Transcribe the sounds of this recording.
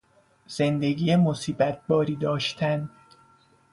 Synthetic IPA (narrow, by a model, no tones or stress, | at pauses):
z̥e̞nd̪e̞ɡiːjemosiːbæt̪̚ʰbɒːɾiːd̪ɒːʃt̪ʰæn